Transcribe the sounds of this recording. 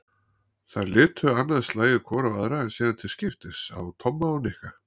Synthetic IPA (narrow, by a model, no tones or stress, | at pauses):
θaɾlɪːt̪ʰʏanːaðslaːjɪðkʰvɔːɾawaðɾaɛnsiːðant̪ʰɪlscɪft̪ɪsa̰wt̪ʰɔmːaɔnɪhka